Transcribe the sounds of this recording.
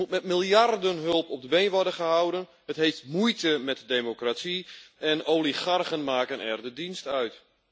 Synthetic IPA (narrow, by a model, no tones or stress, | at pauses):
ut̚mɛtmilˠjardənɦølˠpɔp̚dəbeːnʋɔrdənχəhawdən | hətɦejftmujtəmɛtdeːmokratiɛnowlixarχənmaːkənʔɛ̰rdədinstœɥt